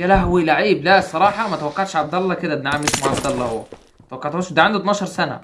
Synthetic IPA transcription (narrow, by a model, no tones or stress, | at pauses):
jælæɦwilaʕiːblæsˤɑɾˤɑːħɑmæt̪æwækːɑʕd̪ʃʕɑb̚d̪ɑlˤːɑked̪æd̪naʕamːeʃmuʕabd̪ɑlˤːɑhowːæ | t̪æwækːɑʕt̪ʕoʃd̪æʕend̪ot̪nɑːʃɑɾˤsænæ̰